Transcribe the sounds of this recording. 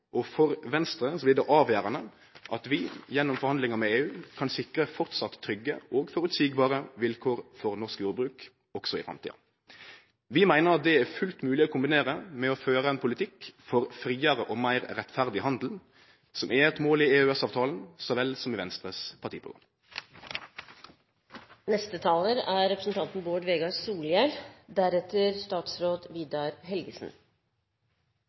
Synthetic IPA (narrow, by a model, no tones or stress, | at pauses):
ʔɔfɔɾʋɛnst̪ɾəsɔblɪd̪ɛʔɑːʋjæːɾɑnə | ʔɑt̪ʋɪjɛnːɔmfɔɾhɑnd̪lɪŋəmɛeːʉːkʰɑnsɪkɾəfɔʁt̪sɑt̪ʰːɾʏɡːə̰ɔːɡfɔɾʉt̪siːɡbɑːɾəʋɪlkʰoːɾfɔɾnɔskjuːɾbɾʉːk | ɔksɔɪ̰fɾɑ̰mt̪ḭːdɑ̰ | ʋɪmæɪnəɾɑt̪̚d̪ɛæɾfʉlt̪mʉːlɪɔkʊmbɪneːɾəmɛɔføːɾəɛnpʰʊlɪt̪ʰɪkfɔɾfɾiːəʁəʔɔmæɪɾɾɛt̪fæʁd̪ɪhɑnd̪l̩ | sɔmɛɛt̪moːlɪeʉɛsɑːʋt̪ʰɑːln̩sɔʋɛlsɔmiʋɛnst̪ɾəspʰɑʁʈ̪ʰḭːpʰʊ̰ɡʁɑ̰m | nɛst̪ət̪ʰɑːləɾæɾɾɛpɾəsn̩t̪ʰɑnt̪n̩boːɖʋeːɡɑsuːljɛld̪æɾɛt̪əɾst̪ɑːt̪sɾoːd̪ʋiːd̪ɑɾɦɛlɡəsn̩